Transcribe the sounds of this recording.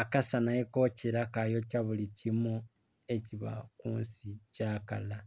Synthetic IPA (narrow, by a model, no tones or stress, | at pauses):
akasanajekociɾakajo̞caβulicimo | e̞ciβa̰kuːnsicaːkala